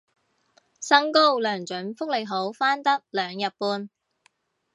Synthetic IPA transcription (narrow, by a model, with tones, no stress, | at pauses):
sɐ˥ŋko˥wlœː˨˩ŋt͡ʃɵ˨˥nfʊ˥k̚le˨˩jɦo˨˥wfaː˥nt̪ɐ˥k̚lœː˨˧ŋjɐ˨t̚puː˧n